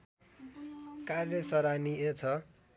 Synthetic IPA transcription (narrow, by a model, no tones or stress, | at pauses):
karjʌsʌɾaniet͡sʰʌ